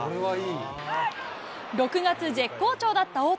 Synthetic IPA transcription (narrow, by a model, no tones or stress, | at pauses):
oɾeβaiː | ɾo̞kɯ̟ɡat͡sɨd͡ʑe̞kːo̞ːt͡ɕo̞ːd̪at̪ːaoː